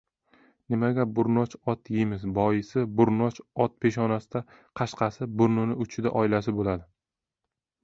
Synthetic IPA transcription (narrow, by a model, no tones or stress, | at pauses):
nɪmaɡʲabʊɾnɒt͡ʃɒt̪ʰjɪmɪzbɒjɪsɪbʊɾnɒt͡ʃɒt̪̚pʰe̞ʃ̬ɒnasɪd̪a | qʰɑʃqʰɑsɪbʊɾnʊnɪʊt͡ʃʰɪd̪a̰ʔɒɪlasɪbolad̪ɪ